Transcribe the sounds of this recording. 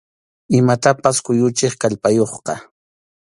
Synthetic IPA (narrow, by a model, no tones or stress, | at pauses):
ɪmat̪apaskʊjʊt͡ʃeχkaʎpajoχqɑ